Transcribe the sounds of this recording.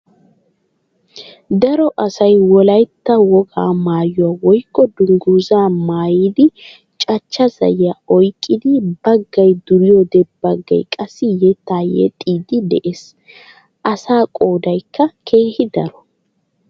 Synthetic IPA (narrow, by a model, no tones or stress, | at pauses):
d̪ɐɾɔʔɐsɐjwɔlɐjt̪ːɐwɔɡa̰ːmaːjʊwawɔjkːɔd̪ʊŋɡuːzaːmaːjɪd̪ɪ | t͡ʃʼɐt͡ʃːɐzɐ̰jːɐɔjkʼːɪd̪ɪbɐɡːɐjd̪ʊɾɪjɔd̪ɛbbɐɡːɐ̰jkʼɐsːɪjɛt̪ːaːjɛ̰t̪ʼiːd̪ɪd̪ɛʔeːs | ʔɐsaːkʼoːd̪ɐjkʰːɐkʰeːhɪd̪ɐɾɔ